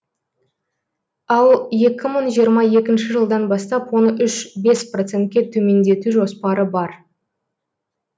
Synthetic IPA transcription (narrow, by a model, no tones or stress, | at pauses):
ɑlˠje̞kʲɪməɴʒijəɾmɑje̞kʲɪnʃɪʒəlˠd̪ɑnbɑst̪ɑpwo̞nəʔʏʃbe̞spro̞t̪se̞nt̪̚kʲe̞t̪ʰɵme̞nd̪e̞t̪uʒo̞spɑɾəbɑɾ